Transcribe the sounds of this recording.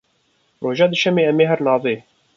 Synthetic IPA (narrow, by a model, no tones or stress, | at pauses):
roːʒɑːd̪ɨʃɛmeːɛmeːɦɛɾnɑːveː